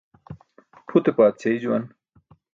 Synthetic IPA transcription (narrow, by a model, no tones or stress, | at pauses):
pʰut̪epaːt̪̚t͡sʰeid͡ʑuwɐn